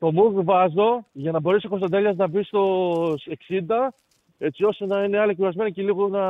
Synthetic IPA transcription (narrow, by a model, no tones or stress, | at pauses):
t̪o̞muɣvɐzo̞ʝɐnɐbo̞ɾeso̞kost̪ɐd̪eʎɐznɐbist̪o̞seksind̪ɐ | e̞t͡sio̞st̪enɐine̞ɐlicuɾɐzme̞noceliɣonɐ